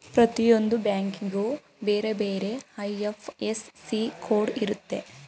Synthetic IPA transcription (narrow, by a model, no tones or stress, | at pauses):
pɾɐt̪ijo̞nd̪ubjaːŋkiŋɡu | beːɾe̞beːɾe̞ɐjefʰesːikʰoːɖiɾut̪ːe̞